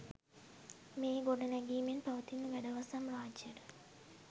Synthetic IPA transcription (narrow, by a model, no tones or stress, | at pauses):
meːɡoɖənɛɡiːmenpaʋət̪inːəʋæɖəʋasamraːd͡ʒjəɾə